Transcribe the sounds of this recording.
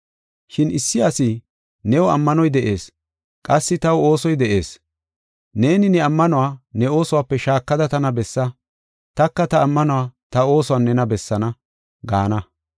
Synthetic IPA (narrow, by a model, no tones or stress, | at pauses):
ʃɪnɪsːɪasɪ | nɛwɔɐmːɐnɔjd̪ɛʔe̞ːs | kʼɐsːɪt̪ɐwo̞ːsɔjd̪ɛʔe̞̰ːs | ne̞ːnɪnɛɐmːɐnʊwaːnɛo̞ːsɔwaːpːɛʃaːkːɐd̪ɐt̪ɐnɐbɛsːɐ | t̪ɐkːɐt̪ɐːmːɐnʊwaːt̪ɐo̞ːsɔwaːnːɛnɐbɛsːɐnɐ | ɡaːnɐ